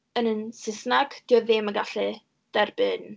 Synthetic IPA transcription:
ənənsɪsnaɡ̥d̥ɪɔðɪməɡaɬɨ | d̥ɛrb̥ɪn

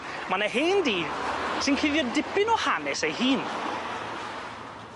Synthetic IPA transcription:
manaɦeːndiːsɪnkʰɪðjɔdɪpɪnɔhanɛsejhiːn

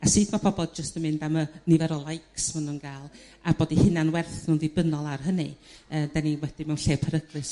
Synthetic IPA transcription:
asɨːdmapʰɔbɔlˠd͡ʒəstəmɪndamənɪvɛɾɔlˠajksmanuːnɡ̥aːlˠab̥oːdihɪnanwɛrθnunðibənɔlˠarɦənɨ̰əːd̥aniwɛd̥imɛwnɬeːpʰəɾəɡrɨs

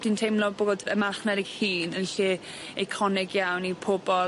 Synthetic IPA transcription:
d̥intʰejmlˠɔboodəmaχnɛdɪɡhiːnənɬi | ɪkʰɔnɪɡjawnipʰʊbɔl

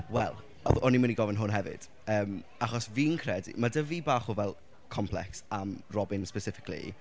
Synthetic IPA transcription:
wɛlˠ | ɔɔnimaniɡɔvɛnɦʊnɦɛvɪ̰d̥ | əːm | aχɔsviːnkʰrɛdḭmadəvibaːχuvɛlˠ | kʰɔmpʰlˠɛ̰ksamrɔbɪnspɛsɪfɪ̥kʰlḭ

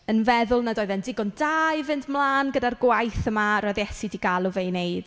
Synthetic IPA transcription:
ənvɛðʊlˠnadɔːɨðɛndɪɡɔndajvɪndmlˠaːnɡədarɡwajθəmaɾɔjðjɛsidiɡalˠʊvejnejd̥

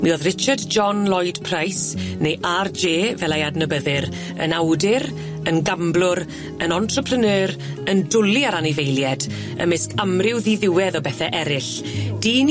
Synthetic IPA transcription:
mioːðrɪt͡ʃardd͡ʒɔnlˠɔjd̥pʰrajsnejʔard͡ʒeːvɛlˠajadnəbəðɨɾ | ə̰nawdɪɾ | ənɡamblʊɾ | ənɔntʰrəpʰrənəːɾəndʊliaɾanɪvejljɛd | ə̰mɪskamrɪwðiðɪwɛðɔbɛθɛʔɛɾɪɬ | d̥iːn

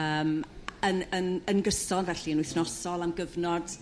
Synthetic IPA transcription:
əːmənənənɡəsɔnvɛɬiənwʊɨθnɔsɔlˠamɡəvnɔd̥

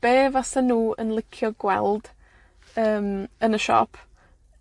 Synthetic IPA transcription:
b̥eːvasənuːə̰nlˠɪkʰjɔɡwɛ̰lˠd̥ | əːmənəʃɔ̰pʰ

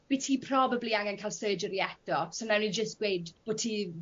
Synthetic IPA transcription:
b̥itʰiːpʰr̥ɔbəbliaŋɛnkʰajlˠsəːd͡ʒəɾiɛd̥ɔsonɛwnid͡ʒəstɡ̥wejdb̥ʊtʰi

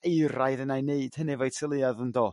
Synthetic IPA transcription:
ejɾajðənajneɨd̥hənɛvajtʰɪlˠɨaðəndɔː

